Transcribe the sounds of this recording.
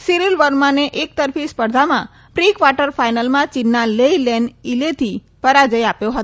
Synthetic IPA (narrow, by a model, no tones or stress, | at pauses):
siɾilʋəɾmaneʔek̚t̪əɾfispəɾd̪ʱamã | pɾikʋaʈəɾfajnəlmãt͡ʃinːaleilɛnilet̪ʰi | pəɾad͡ʒəjapjoɦət̪